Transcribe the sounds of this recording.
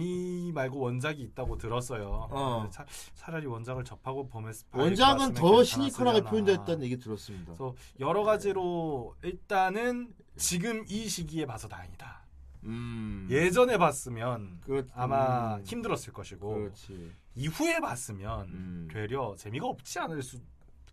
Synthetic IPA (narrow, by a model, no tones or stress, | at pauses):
imaɭɡowʌnd͡ʑaɡiːt̚t͈aɡotɯɾʌs͈ʌjoet͡ɕʰat͡ɕʰad͡ʑaɾiwʌnd͡ʑaŋɯɭt͡ɕʌpʰaɡopomes͈pʌnd͡ʑaŋɯntʌɕʰiɲikʰɯɾaɡepʰjoindet̚t͈anɯnje̞ɡitɯɾʌs͈ɯmɲidasʰʌjʌɾʌɡad͡ʑiɾoiɭt͈anɯn | t͡ɕiɡɯmiɕʰiɡie̞pasʰʌnaɲida | je̞d͡ʑʌne̞bas͈ɯmjʌnkɯɾamaçimdɯɾʌs͈ɯɭk͈ʌɕʰiɡot͡ɕʰi | iɸue̞pas͈ɯmjʌntwe̞ɾjʌt͡ɕe̞miɡaʌp̚t͡ɕ͈ianɯɭs͈u